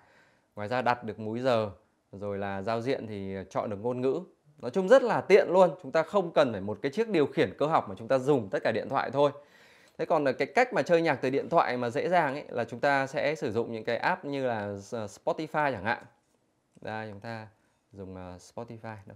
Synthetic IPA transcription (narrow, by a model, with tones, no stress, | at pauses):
ŋwaː˨˩jzaː˧ɗa˨˩t̚ɗɨ˨˩ək̚mu˨˦jzəː˨˩ | zo˨˩jlaː˨˩zaː˧wzḭ˧˨ənt̪ʰi˨˩˨t͡ɕɔ̰˧˨nɗɨ˨˩ək̚ŋo˧nŋɨ̰˧˥ | nɔ˨˦jt͡ɕʊ˨˧˦ŋ͡mzə˦˥t̚laː˨˩t̪ḭ˧˨ənlu˧ənt͡ɕʊ˨˦ŋ͡mt̪aː˧xə˧wŋ͡mkə˨˩nfaː˧˩jmo˨˩t̚kaː˨˦jt͡ɕi˦˥ək̚ɗi˨˩əwxi˧˩ənkəː˧ɦa˨˩k͡p̚ma˨˩t͡ɕʊ˨˦ŋ͡mt̪aː˧zʊ˨˩ŋ͡mt̪ə˦˥t̚kaː˧˩ɗḭ˧˨ənt̪ʰwa̰ː˧˨jt̪ʰo˧j | t̪ʰe˨˦kɔ˨˩n˨˩kaː˨˦jka˦˥jk̚maː˨˩t͡ɕəː˧jɲaː˨˩k̚t̪ɨ˨˩ɗḭ˧˨ənt̪ʰwa̰ː˧˨jmaː˨˩zḛ˧˥zaː˨˩ŋʔa˨˦jla̰ː˨˩t͡ɕʊ˨˦ŋ͡mt̪aː˧sɛ̰˧˥sɨ˧˩zʊ̰˧˨ŋ͡mɲɨ̰˧˥ŋkaː˨˦jʔaː˦˥p̚ɲɨ˧laː˨˩˨spɔ˦˥t̪i˧faː˧jt͡ɕaː˧˩ŋha̰ː˧˨ŋ | ɗaː˨˧t͡ɕʊ˨˦ŋ͡mt̪aː˧ | zʊ˨˩ŋ͡mspɔ˦˥ti˧faː˧jn˨˦